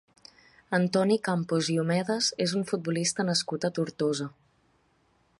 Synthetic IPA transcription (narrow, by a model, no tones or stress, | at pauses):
ənt̪ɔnikampuziumɛðəzezuɱfut̪̚bulist̪ənəskut̪ət̪uɾt̪ozə